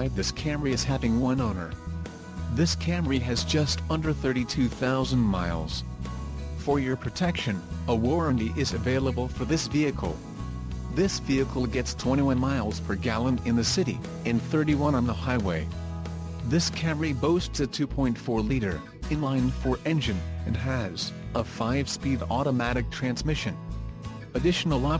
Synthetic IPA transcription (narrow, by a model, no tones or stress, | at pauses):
ɪðɪskʰæ̃mɹiɨz̥hævɪ̃ŋwʌ̃nõʊ̃nə̰˞ | ðɪskʰæ̃mɹiɨzd͡ʒʌstʌ̃ndə˞θɜ˞ɾitʰʉθaʊzɨ̃nma̰ɪlˠz̥ | fə˞jə˞pʰɹ̥ɨtʰɛkʃɨ̃nəwɔɹɨ̃ndiʔɪzɨveɪlˠəbl̩ˠfə˞ðɪsviɨkʰl̩ˠ | ðɪsviɨkʰl̩ˠɡɛtstʰw̥ɛ̃ɾ̃iwʌ̃nmaɪlˠz̥pʰə˞ɡælˠə̃nɨ̃nðɨsɪɾḭ | ɨ̃nθɜ˞ɾiwʌ̃nə̃nðəhaɪweɪ | ðɪskʰæmə˞iboʊstsɨtʰʉpʰɔ̃ɪ̃ntfɔɹliɾə̰˞ | ɨ̃nlãɪ̃nfə˞ʔɛ̃nd͡ʒɨ̃nɨ̃nɨzəfaɪv̥spiɾɔɾəmæɾɨk̚tʰɹ̥æ̃nzmɪʃɨ̃n | ɨdɪʃn̩l̩ˠɑ